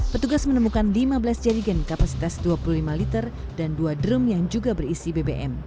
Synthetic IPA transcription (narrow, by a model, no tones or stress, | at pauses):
pət̪uɡasmənəmukanlimabəlasd͡ʒaɾiɡənkapasi̥t̪asduapululimalit̪ərdanduadɾumjaŋd͡ʒuɡabəɾisibebeʔɛm